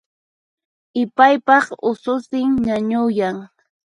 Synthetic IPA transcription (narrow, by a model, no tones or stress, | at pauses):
ɪpajpɑχʊsʊsɪŋɲaɲʊjaŋ